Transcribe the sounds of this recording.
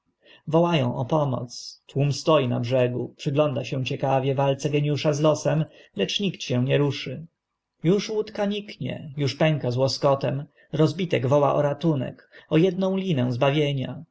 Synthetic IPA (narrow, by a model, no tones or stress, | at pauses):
vɔwajɔ̰̃w̃ʔɔpɔmɔ̰t̪st̪wumst̪ɔjina̰bʐɛɡupʂɘɡlɔnd̪aɕɛ̃w̃t͡ɕɛkavʲjɛvalt̪sɛɡɛɲuʂazlɔsɛmlɛt͡ʂɲikt̪ɕɛ̃w̃ɲɛɾuʂɘ | juʂwut̪kaɲikɲɛ̰juʂpɛŋkazwɔskɔt̪ɛm | ɾɔzbʲit̪ɛɡvɔwa̰ʔɔ̰ɾat̪unɛ̰k | ɔjɛd̪̚nɔ̃w̃lʲinɛ̃w̃zbavʲjeɲa̰